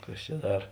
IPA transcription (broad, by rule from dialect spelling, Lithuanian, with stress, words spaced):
ˈkɐs t͡ʃʲɛ ˈdɐr